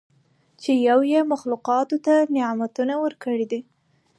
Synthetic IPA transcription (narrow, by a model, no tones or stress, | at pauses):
t͡ʃejawjemaxluqɑt̪ot̪anɪamat̪unawəɾkəɽid̪i